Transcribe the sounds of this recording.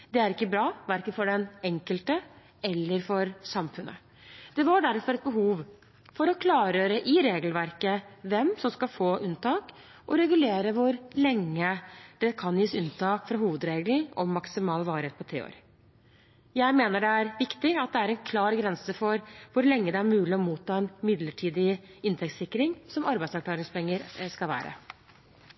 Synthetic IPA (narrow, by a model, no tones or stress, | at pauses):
d̪ɛæɾɪkːəbɾɑːʋæɾkənfɔɖɛnɛŋkəlt̪ə | ɛlːəɾfɔɾsɑmfʉnʔə̰ | d̪̥ɛʋɑɖæɾfɔɾɛt̪̚bəɦuːʋ | fɔɾɔkʰlɑːɾøːɾəʔɪɾeːɡlʋæɾkəʋɛmsɔmskɑlfoːʔʉnt̪ʰɑːk | ʔɔɾɛɡʉleːɾəʋʊɾlɛŋːəd̪̥ɛkʰɑnjiːsʉnt̪ʰɑːkfɾɑɦuːʋəd̪ɾeːɡl̩ɔmːɑksɪmɑːlʋɑːɾəheːt̪pʰɔt̪ʰḛːo̰ɾ | jæɪmeːnəɖɛæɾʋɪkt̪ɪɑt̪̚d̪ɛæɾɛnkʰlɑːɾɡɾɛnsəfɔɾʋʊɾlɛŋːəd̪ɛæɾmʉːlɪɔmuːt̪ʰːɑːɛnmɪd̪ləʈʰiːd̪ɪɪnt̪ʰɛk̚t̪sɪkːɾɪŋsɔmɑɾbæɪsɑɾklɑːɾɪŋspɛŋːəɾskɑlʋæ̰ːɾə̰